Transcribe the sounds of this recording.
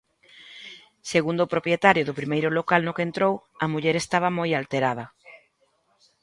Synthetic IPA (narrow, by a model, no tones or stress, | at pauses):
seɣund̪oʊːpɾopɾjet̪aɾjʊðʊpɾimejɾʊlokalnʊkent̪ɾow | ɐmuʎeɾest̪aβ̞ɐmojalt̪eɾað̞ɐ